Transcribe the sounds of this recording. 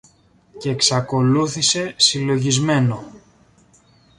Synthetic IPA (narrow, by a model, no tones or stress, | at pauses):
ce̞ːksɐko̞luθise̞silo̞ʝizme̞no̞